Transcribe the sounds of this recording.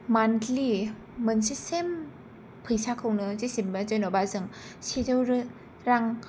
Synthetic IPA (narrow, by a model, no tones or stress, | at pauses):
mantʰli | mɯnsisem | pʰɯjsakʰɯwnɯzisimbazɯjnɔbazɯŋsidɯwɾɯ | ɾaŋ